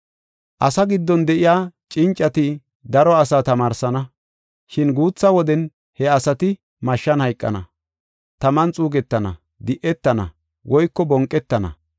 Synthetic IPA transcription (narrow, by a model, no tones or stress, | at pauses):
ʔɐsɐɡɪd̪ːɔnd̪ɛʔɪjaːt͡ʃʼɪnt͡ʃʼːɐt̪ɪ | d̪ɐɾɔɐsaːt̪ɐmaːɾsɐnɐ | ʃɪnɡuːt͡sːɐwɔd̪ɛn | hɛɐsɐt̪ɪ | mɐʃːɐnhɐjkʼːɐ̰nɐ̰ | t̪ɐmɐnt͡sʼuːɡɛt̪ːɐnɐ̰ | d̪ɪʔɛt̪ːɐnɐ̰ | wʔɔjkːɔbɔŋkʼːɛt̪ːɐnɐ̰